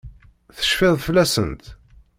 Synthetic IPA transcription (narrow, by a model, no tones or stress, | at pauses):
θə̥ʃfɪðˤflæsə̰nt̪